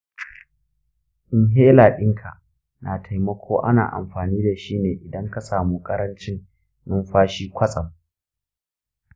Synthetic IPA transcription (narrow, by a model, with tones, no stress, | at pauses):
ʔɪ˨nɦeː˦laː˨ɗɪ˦ŋkʰa̰˨ʔ | naː˨tʰa˨jmɐ˦kʷʰoː˦ʔa̰˦na̰ː˨ʔa̰˨mɸaː˨niː˦da˨ʃiː˦neː˨ʔɪ˨dɐ˦ŋka˨saː˨muː˦kʼɐ˦ɾɐ˦nt͡ʃɪ˦ŋ | ʔʊ˦mɸaː˦ʃiː˦kʷʰɐ˦sʼɐ˨m